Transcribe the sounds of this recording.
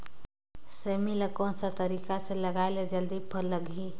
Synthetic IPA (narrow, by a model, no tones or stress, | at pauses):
seːmiləkõnsat̪ɐɾiːkaselɐɡaːeled͡ʒəld̪ipʰəlːəɡiː